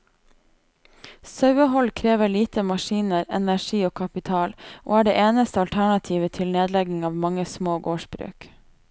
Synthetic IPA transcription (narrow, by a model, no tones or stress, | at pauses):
sɑʉəɦɔlkʰɾeːʋəɭiːt̪əmɑʃiːnəɾɛnæʃiːoːkʰɑpɪt̪ʰɑːlʔo̰ːæːɖḛːʔeːnəst̪əɑlt̪ʰæɳɑt̪ʰiːʋət̪ʰɪlneːd̪lɛɡɪŋɑːʋmɑŋəsmoːɡoːʃbɾʉ̰ːk